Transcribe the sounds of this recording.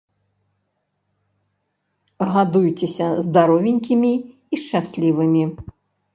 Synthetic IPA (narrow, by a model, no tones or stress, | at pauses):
ɣad̪ujt͡sʲɛsʲɐzd̪aɾɔvʲinʲkʲimʲi | iʂt͡ʂasʲlʲivɨmʲi